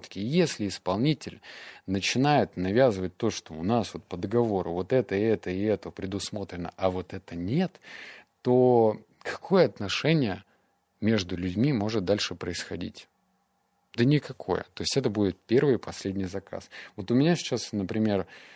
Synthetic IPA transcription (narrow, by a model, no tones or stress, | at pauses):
t̪kʲɪjesʲlʲɪɪspɐlˠnʲitʲɪlʲnət͡ɕɪnajɪt̪nɐvʲazɨvət̚ʲt̪o̞ʂt̪oʊnasvo̞t̪̚pəd̪əɡɐvoɾʊ̰vo̞t̪ɛt̪əɛt̪əɪɛt̪əpɾʲɪd̪ʊsmo̞t̪ɾʲɪnə̰ʔɐvo̞t̪ɛt̪ənʲe̞t̪ː | o̞ | kʰɐ̥kʰo̞jəɐt̪nɐʂɛnʲɪjə | mʲe̞ʐd̪ʊlʲʉdʲmʲimo̞ʐɨt̪̚d̪alʲʂɨpɾəɪsxɐdʲḭtʲ | d̪ənʲɪkɐkʰo̞̰jə̰t̪o̞jɪsʲtʲɛt̪əbudʲɪt̪̚pʲe̞rvɨjpʰɐsʲlʲedʲnʲɪjzɐka̰svo̞t̪ʊmʲɪnʲasʲɪ̥t͡ɕasnəpɾʲɪmʲe̞r